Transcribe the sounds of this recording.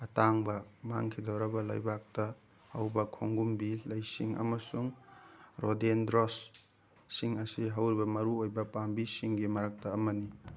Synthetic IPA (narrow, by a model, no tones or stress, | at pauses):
ɐtaŋbɐmaŋkʰidɐwɾɐbɐla̰jbak̚tɐ | hɐwbɐkʰoŋɡumbilɐjsiŋɐ̰mɐsuŋɾʔodendɾosː | iŋɐsiɦɐwɾibɐmɐɾuojbɐpambisiŋɡimɐɾak̚tɐːmɐni